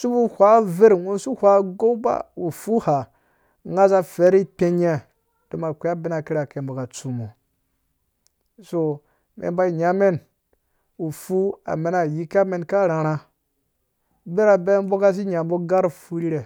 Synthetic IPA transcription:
su˦bu˦hʷa˦ve˦ɾwo˦su˦hʷa˦ɡo˦ba̰˦wu˨fu˦ha˨ | ŋa˦za˦fe˨˦ɾi˦te˦ɲe˦ | d̥o˨ma˨kʷe˦a˦be˦na˨ki˦ɾa˨ke˨mbo˨ka˨t͡su˨mo˨ | so˨ | mʔḛ˨ba˦i˨ɲa˦me˦n | wu˨fu˦a̰˨me˨na˨ji˦ka˦me˨nka˦ɾa˨ɾa˦ | be˦ɾa˨be˦m˦bo˦ka˦s̬i˦ɲa˨bo˦ɡa˦ɾfu˦ɾi˦ɾe˨

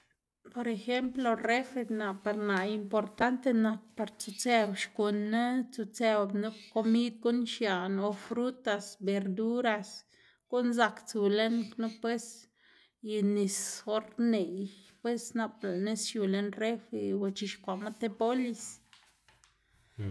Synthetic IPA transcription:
po˨ɾe˧xe˦mplo˧re˦fe˧na˨pa˧ɾna˨i˧mpo˨ɾt̪a˦nt̪e˧na˧k̚pa˧ɾt͡su˧t͡se˧bʃku˨nːe˦t͡su˧t͡se˧bnu˦ko˧mi˦d̪̚ɡu˦nʃja˨no˨fɾu˦t̪a˧sbe˨ɾd̪u˦ɾa˧s | ɡ̥u˦nza˧kt͡su˨le˦nknu˦pwe˦s | i˧ni˨sxo˦ɾne˨jpwe˦sna˧pla˨ne˦sju˨le˦nre˦fe˧wa˧˨t͡ʃi˧ʃkʷa˨ma˦t̪e˦po˦li˧s

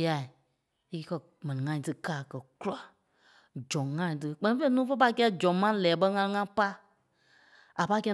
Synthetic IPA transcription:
a˨i˨ | i˧˦kɜ˧ | mɛ̃˨nĩ˨ŋã˧˨ĩ˨tɨ˧kaː˨kɜ˨ku˦la˨ | d͡ʒɔ̃˨ŋã˧˦ĩ˨t̬ɨ˧k͡pɛ̃˧nĩ˦fe˦nũː˦fə˦pa˧i˧kɛ˧˦˨d͡ʒɔ̃˨mã˦lɛː˨˦ɓə˧˦ŋã˧ŋã˧pa˦ | a˨pa˧˦kɛ˧

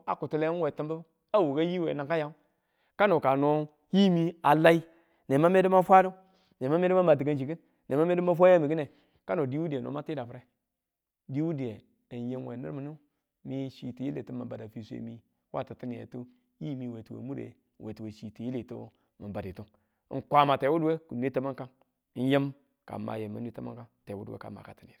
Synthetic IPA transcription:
a̰˨ku˨tu˦le˦we˨ti˦mbə˦b | a˦wu˨ɡa˦ji˦wḛ˨na˨ŋka˦ja˦u˦ | ka˦no˨ka˨no˦ | ji˦mi˦a˨la˦i˦ | ne˨ma˦me˦du˦ma˦fʷa˦du˦ | n˨e˨ma˦me˦ma˦ma˨t̬i˨ɡa˦nd͡ʒi˨ɡi˦n | ne˨ma˦me˦du˦ma˦f̬ʷa˦ja˦mi˨ɡi˦ne˨ | ka˦no˨di˦wu˦di˨e˨no̰˨˦ma˦ti˦da˨fɾe˦ | di˦wu˦di˨e˨ | n˨je˦mwe˨nḭ˦ɾmu˨nu˦ | mi˦ʃi˨ti˨ji˦lḛ˨tu˦ma˨ba˨da˨fi˨sḛ˨mi˨ | wa̰˦ta˨ti˦ni˨jḛ˨tu˦ | ji˦mi˨we˨tu˨wḛ˨mu˦ɾḛ˨ | wʔe˨tu˨we˨ʃi˨ti˨ji˦li˨tṵ˦ | ma˨ba˨di˨tu˦ŋ̰˨ | kʷa˦ma˨te˨˦wu˦dwe˦ku˨n˦e˦ta˦ma˦ŋka˦n˦ | n˦je˦m | ka̰˨mːa̰˨je˨ma˨˦n˦i˦ta˦ma̰˦ŋka˦nte˨wu˦dḛ˦ka̰˨mːa̰˨ka˨ti˨n˨ḭ˨ɾ

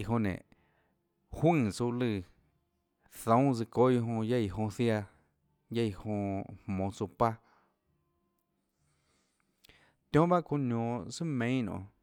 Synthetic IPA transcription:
i˨ɦõ˧nḛ̃˨ | hwɨ̃˦˧t͡su˧lɨ˧ | θõ˨˦zɨ˧ko˦jo˧ɦõ˧ja˦jɦõ˧θja˧ | ja˦˨jhõ˧hmõ˨t͡su˧pa˦ | t̪jõ˦ba˦ʔko˧nõ˨sɨ˦mẽ˨˦nõ̰˨

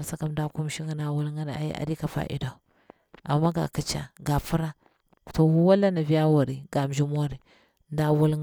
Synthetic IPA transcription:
ɾsa˨ka˦mda˦ku˦m˦ʃi˦ŋa˦na˨wu˦lŋɡa˦na˨a̰˨jḭ˦ʔa̰˨di˦ka˨fa̰˨ʔḭ˨da˨ | a˨mːa˦ɡa̰˨ki˦t͡ʃa̰˨ɡa˨fu˦ɾa˦ | to˨wu˦wa˦la˦na˨vi˦ja˦wu˨ɾi˨ɡa˨m˨d͡ʒi˦mo˦ɾi˨ | nda˨wu˦l

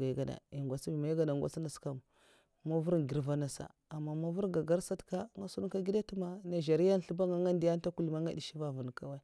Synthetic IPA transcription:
ɡa˨ɡa˨da̰˨i˨ŋɡʷa˨si˦bi˨ma˨ji˦ɡa˨da˨ŋ˨ɡʷa̰˦t͡si˦na˨ska˨m˨ | ma˦vu˦ɾɡi˨ɾva˦na˨sa̰˨ | a˨mːa˨ma˦vu˦ɾɡa˨ɡa˦ɾsa˦tka˦ŋa˦su˦u˦ka˦ɡi˦da˦tu˦ma˨na˨ʒa˨ɾi˦ja˦n˨ɬu˦ba˦ŋa˨ŋa˦ndi˨ja˦n˦ta˦ku˦li˨ma˦ŋa̰˦di˨ʃi˦va˦vu˨n˨ka˨wa˦

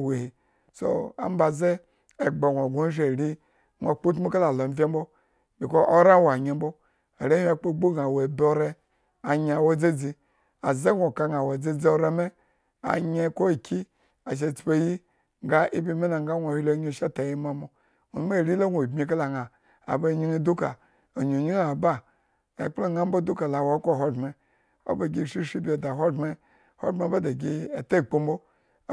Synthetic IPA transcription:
we˨hi˨ | so̰˨a̰˨˦m˦ba˨zeː˦˨ | ɡ͡ba˨wʷo˨ɡʷo˦ʃe˨ɾi˦ | ŋʷa˨k͡po˦tmu˦ka˦la˨lo˨m̩˦fʲe˦m̩˦bo˦ | bi˨ko˦ʔo˦ɾa˦wa˨ɲe˨˦m˦bo˦ | a̰˨ɾe˦a˦˨k͡po˦ɡ͡bu˦ɡa˨we˨bo˦ɾe˦ | a˨ɲa˨wo˦d͡ze˦d͡zi˦ | a˨ze˦hʷo˨ka˨ŋa˨wa˨d͡ze˦d͡zi˦o˨ɾe˦me˦ | a̰˨ɲe˦ko˦˨kʰi˦ | a˨ʃ̬e˧˨t͡spe˨ji˦ | ŋ˦ɡa˦ʔi˦bʲi˧˨me˦na˨ŋɡa˦nʷo˨hʲi˦lo˦ɲo˦˨ʃa˦ta˨ji˦ma˨mo˨ | o̰˨˦m˦a˦˨ɾʲi˦lo˦wʷo˨bmʲi˧ka˦la˨ŋa˨ | a̰˨bo˦˨ɲi˦ni˦du˦ka̰˨ | o˨ɲo˨ɲi˦ŋa˨ba˦ | a˨k͡plo˦ŋa˦m̩˦bo˦du˦ka˨la˨wo˨˦kʷo˦˨ɦo˦me˨ | o̰˦bo˨ɡʲi˦˨ʃi˦ʃi˦bʲe˨da˨ɦo˦dme˦ | ho̰˦me˨˦ba˦da˨ɡʲi˦a˨te˦˨k͡po˦mbo˦

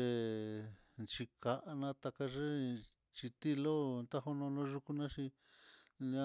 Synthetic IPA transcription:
e˧ | nt͡ʃi˧ka˧ʔa˧nã˧t̪a˧ka˧ʐe˦ | t͡ʃi˧t̪i˦lo˦nt̪a˦ɦo˧nõ˧nõ˧˦ʒu˧ku˧nã˦ʃi˧ | n˧ã˦˧

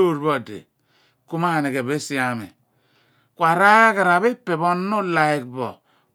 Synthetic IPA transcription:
o˦˨ɾbo˦˨dḛ˨ | ku˦ma˦˨ne˨ke˨βe˦si˦a˨mḛ˨ | kwa˨ɾa˦ka˨ɾa˨βe˦pːe˨bo˦nːu˦la˨i˨k̚bɔ̰˨

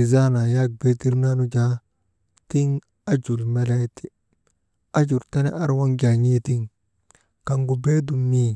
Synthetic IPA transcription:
i˨za˦na˨ja˦ɡ̚be˦ti˦ɾna˦nu˦d͡ʒa˦ | ti˦ŋ | a˦d͡ʒu˨ɾme˦le˦ti˦ | a˦d͡ʒu˨ɾta˦ne˦ʔa˦ɾwa˦ŋɡa˨ɲi˦ti˦ŋ | ka˨ŋɡu˨be˦du˨mːi˦

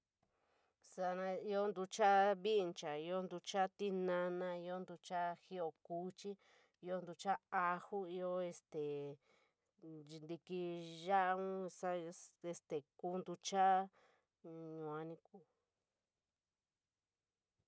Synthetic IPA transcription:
sa˧nã˧i˧o˦nd̪u˧t͡ʃa˦βi˦˧nt͡ʃa˨i˧o˦nd̪u˧t͡ʃa˦t̪i˦nã˧nã˧i˧o˦nd̪u˧t͡ʃa˦xi˦o˧˨ku˦t͡ʃi˦ | i˧o˦nd̪u˧t͡ʃa˦a˧hu˦i˧o˦e˧st̪e˨˧ | nd̪i˧ki˧ʒa˦ʔũ˦sa˦e˧st̪e˨kuː˦nd̪u˧t͡ʃa˦ | ɲũ˨a˧nĩ˧ku˦˧

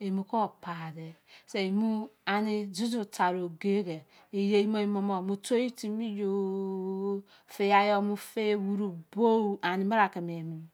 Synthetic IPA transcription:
e˨mu˨ko˦˨pa˨de˨se˨i˨mu˦a˨ni˦zu˦zu˨ta˨ɾo˨ɡe˦ɡe˨ | i˨je˦i˦mo˦i˦mo˨˦mo˦˨mu˨to˦i˦ti˦mi˦jo˨˦ | fe˨ja˨jo˦mu˦fe˦wu˦ɾu˨bo˦˨a˨ni˨ma˦ɾa˨ke˨m˨e˨mu˨

